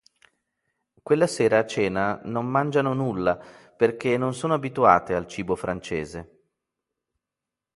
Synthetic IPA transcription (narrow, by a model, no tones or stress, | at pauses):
kwelːaseːɾaːt͡ʃːeːnanommand͡ʒanonulːa | perk̟enːonsoːnoabit̪ua̰ːt̪ealt͡ʃiːbofɾant͡ʃeːze